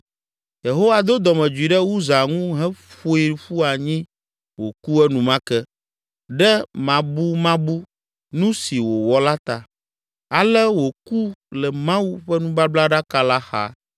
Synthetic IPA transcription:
je˨ɦo˦wa˨d̪o˦d̪ɔ˨mɛ̃˨d͡ʒu˨i˨ɖɛ˦wu˦za˨ŋũ˦ɦɛ˦ɸo˦i˨ɸu˦a˨ɲĩ˦ | wo˨ku˦ɛ˦nũ˨mã˦kɛ˦ | ɖɛ˦mã˨bu˦mã˦bu˦ | nũ˦si˨wo˨wɔ˦la˦t̪a˨ | a˨lɛ˦wo˨ku˦lɛ˨mã˦wu˦ɸɛ˦nũ˦ba˦bla˦ɖa˦ka˦la˦xa̰˦˨

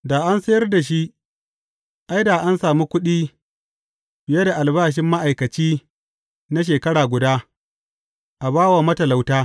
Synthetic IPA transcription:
daː˨ʔa˦nsɐ˦jɐ˦rda˨ʃ̬i˦ʔ | ʔa˦jdaː˨ʔa˦nsaː˨mu˦kʷʊ˦ɗiː˦ | b̥ɪ˨jɐ˦da˨ʔa˨lbaː˦ʃ̬ɪ˦mːa˦ʔa˨jkɐ˨t͡ʃiː˦ | na˦ʃ̬eː˨kɐ˦ɽaː˨ɡʷʊ˨daː˦ | ʔa˨baː˦waː˨mɐ˦tɐ˨la˨wtaː˦

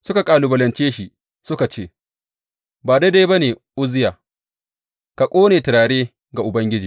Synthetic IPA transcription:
sʊ˦ka˨kʼaː˨lu˨bɐ˨lɐ˨nt͡ʃeː˦ʃi˦ | sʊ˦ka˨t͡ʃeː˦˨ | baː˨da˦da˦jba˦neː˨ʔʊ˦zɪ˦jaː˨ | ka˨kʷʼoː˦neː˨tɪ˨ɾaː˨ɽeː˦ | ɡa˨ʔʊ˨bɐ˦ŋɡʲɪ˦d͡ʒiː˨

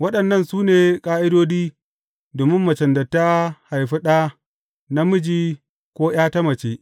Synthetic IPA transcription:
wɐ˦ɗɐ˨nːɐ˦˨nsuː˦neː˨kʼaː˦ʔɪ˦doː˦diː˦ | doː˨mɪ˦mːɐ˨t͡ʃɐ˨ndɐ˨tːa˦ha˨jɸɪ˦ɗa˦ | na˦mʊ˦d͡ʒiː˦ | kʷoː˦j̰aː˦ta˦mɐ˨t͡ʃeː˦ʔ

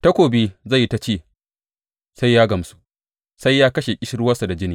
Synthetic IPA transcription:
tɐ˦kʷoː˨biː˦za˦˨jːi˦ta˦t͡ʃeː˦˨ | sa˦jːaː˦ɡɐ˨msu̥˦ | sa˦jːaː˦kɐ˦ʃe˨kʲʼɪ˦ʃɪ˦ɾʊ˦wɐ˦sa˨da˨d͡ʒɪ˦niː˨

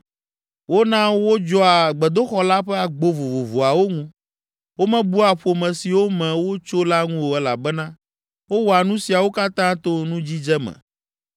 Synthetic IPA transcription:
wo˦nã˦wo˦d͡ʒɔ˦a˨ɡ͡bɛ˨d̪o˦xɔ˦la˦ɸɛ˦a˨ɡ͡bo˦vo˨vo˨vo˨a˨wo˦ŋũ˦ | wo˦mɛ̃˦bu˦a˨ɸo˨mɛ̃˨si˨wo˦mɛ̃˨wo˦t͡ʃo˦la˦ŋũ˦wo˨ɛ˦la˨bɛ˦nã˦ | wo˦wɔ˨a˨nũ˦si˨a˨wo˦ka˦t̪ã˦t̪o˦nũ˦d͡ʑi˦d͡ʒɛ˦mɛ̰̃˨

